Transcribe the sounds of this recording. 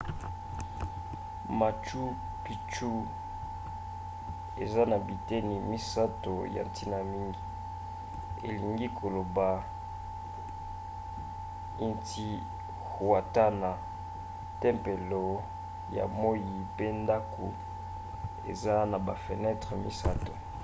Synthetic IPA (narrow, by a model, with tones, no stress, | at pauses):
ma˨t͡ʃu˦ | pi˨t͡ʃu˦ | ḛ˨za˦na˨bi˨te˦ni˨mi˦sa˦to˨ja̰˨nti˦na˨mi˦ŋɡi˨ | ḛ˨li˨ŋɡi˦kʰo˨lo˨ba˨ | i˦nti˦ | hwa˨ta˦na˨ | tɛ˦mpe˨lo˨ | ja̰˨mo˦ji˨pe˦nda˦kʰo̰˨ | ḛ˨za˦na˨ba˨fe˨nɛ˦tʁə˨mi˦sa˦to˨